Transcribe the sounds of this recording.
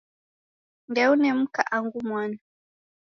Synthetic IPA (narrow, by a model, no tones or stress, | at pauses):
ndɛunɛm̩kaʔaŋɡumwana